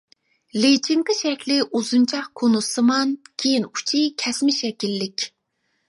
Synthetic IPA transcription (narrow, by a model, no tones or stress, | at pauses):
let͡ʃʰiɴqʰəʃɛkʲlɪʔuzunt͡ʃʰɑχkʰonusɨmɑnkʲʰejinu̥t͡ʃʰikʲʰɛsmɪʃɛkʲilːɪkʲ